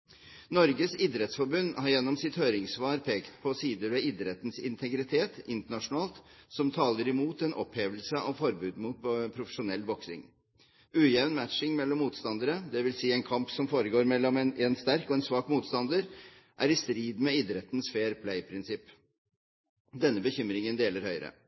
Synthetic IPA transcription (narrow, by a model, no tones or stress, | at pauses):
nɔɾɡəsɪd̪ɾɛt̪sfɔɾbʉnːhɑɾjɛnːɔmsɪt̪høːɾɪŋsʋɑːɾpʰeːkt̪pʰɔsiːd̪əɾʋɛɪd̪ɾɛt̪nsɪ̰nt̪ʰɛɡɾɪt̪ʰeːt̪ɪnt̪əɳɑʂʊnɑːlt̪sɔmt̪ʰɑːləɾɪmuːt̪ɛnʔɔ̰pheːʋəlsəʔɑʋfɔɾbʉːd̪muːt̪̚pʰɾʊfəʂʊnɛlːʋɔksɪ̰ŋ | ʔʉːjɛʋnmæʂɪŋmɛlːɔmːuːt̪st̪ɑnd̪əɾəd̪ɛʋɪlsiːɛnkʰɑmpsɔmfoːɾəɡoːɾmɛlːɔmɛnɛnst̪æɾkɔɛːnsʋɑːkmuːt̪st̪ɑnd̪əɾ | ʔæɾɪst̪ɾiːd̪mɛɪd̪ɾɛt̪n̩sfeːɾpʰlæɪpʰɾɪnsɪpː | d̪ɛnːəbəçʏmɾɪŋənd̪eːləɾhœʏɾə̰